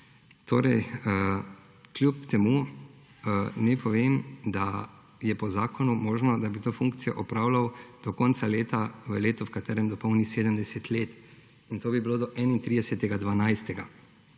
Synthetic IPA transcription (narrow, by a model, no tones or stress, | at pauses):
t̪oːɾɛj | klʲjupt̪ɛmu | nɛpʰɔʋeːmd̪a | jɛpɔzaːkɔnumɔːʒnɔd̪abit̪oːfuŋkt̪sijɔ̰ʔɔpɾawlawd̪̥ɔkɔnt̪saleːt̪aʋəleːt̪ɔwkat̪ɛːɾɛmd̪ɔpɔwnixseːd̪əmd̪ɛsɛt̪leːt̪ | int̪oːbibiloːd̪ɔʔɛnint̪ɾiːd̪ɛsɛt̪ɛɡad̪ʋanajst̪ɛɡa